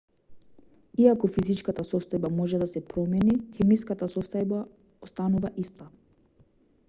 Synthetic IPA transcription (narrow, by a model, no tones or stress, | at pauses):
iakɔfizit͡ʃkat̪asɔst̪ɔjbamɔʒɛd̪asɛpɾɔmɛnixɛmiskat̪asɔst̪ɔjba | ɔst̪anuvaʔist̪a